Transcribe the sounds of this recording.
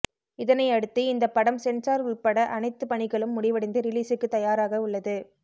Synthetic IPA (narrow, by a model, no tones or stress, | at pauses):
ɪðɐnɐɪɐɽɯt̪ːɯɪnd̪ɐpːɐɽɐmsɛnraːɾʊɭpɐɽɐʔɐnɐɪt̪ːɯpɐɳɪɣɐɭɯmːʊɽɪʋɐɽɐɪnd̪ɯɾɪliːsɯkːɯt̪ːɐjaːɾaːɣɐʊɭːɐðɯ